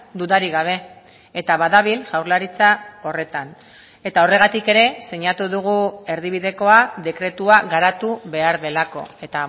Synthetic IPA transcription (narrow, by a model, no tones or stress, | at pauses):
d̪uðaɾiɣaβ̞e̞ː | t̪aβaðaβilʝawɾlaɾit͡sao̞re̞t̪an | e̞t̪ao̞re̞ɣ̞at̪ike̞ɾe̞se̞ɲat̪uðuɣ̞ue̞ɾðiβiðe̞ko̞aðe̞kɾe̞t̪uaɣaɾat̪uβe̞aɾðe̞lako̞̰e̞t̪a